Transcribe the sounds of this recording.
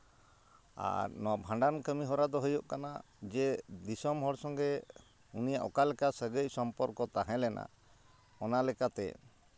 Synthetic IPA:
a̰ɾnɔabʱãɳɖankəmiɦɔɾad̪ɔɦəjɔʔkana | d͡ʒɛd̪isɔmɦɔɽsɔŋɡɛ | unijaʔɔkalɛkasəɡəc̚ˀsɔmpɔɾkɔt̪aɦɛ̃lɛna̰ | ɔnalɛkat̪ɛ̰

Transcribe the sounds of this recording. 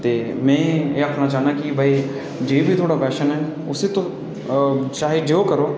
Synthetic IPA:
t̪eːmɛ̃ːeːəkʰnãːt͡ʃaːnaːkɪbəiː | d͡ʒeːbʱiːt̪ʰoːɽaːpɛːʃənɦɛː | ʊseːt̪õ | t͡ʃaːɦed͡ʒoːkəɾoː

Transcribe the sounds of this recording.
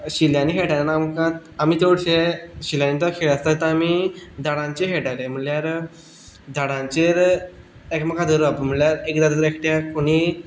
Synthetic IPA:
ɕiljaniɦeʈalnamkaamiːt̪oɽɕeɕiljanit̪akʰeɭəst̪at̪əamid̪ʱaɽãɲt͡ɕeɦeʈalem̤əljaɾ | d̪ʱaɽãɲt͡ɕeɾ | ekməkad̪ʱəɾuapəm̤əɳɭljaɾekd̪aɾɾekʈjakoɽ̃i

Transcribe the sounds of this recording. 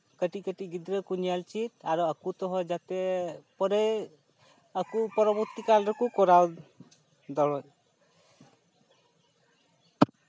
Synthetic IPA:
kəʈikəʈiɡid̪ɾəkunijalt͡ʃit̪aɾɔakut̪ɔɦɔjd͡ʒat̪ɛpɔɾe | akupɔɾɔbuɾt̪ikalɾɔkukɔɾaw | d̪ɔɽɔj

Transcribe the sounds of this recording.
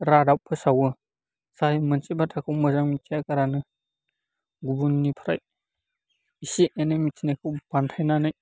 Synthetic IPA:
ɾadawpʰɯsawɯ | sajmɯnsibatʰakʰɯwmɯzaŋmitʰijakaɾanɯ | ɡubunːipʰaɾa̰j | isiʔenɯmitʰinekʰɯwpantʰajnanɯj

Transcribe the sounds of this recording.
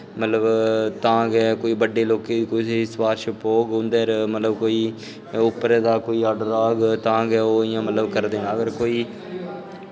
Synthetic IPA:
mət̪ləbt̪ãːɡɛːkoːiːbəɖːeːloːkeːkʊsespaːɾʃəpoːɡɦʊ̃nd̪eːɾmət̪ləbkoːiː | ʊpːɾeːd̪aːkoːiːaːɖəɾaːɡt̪ãːɡɛːoːɪjãːmət̪ləbkəɾd̪eːãːəɡəɾkoːiː

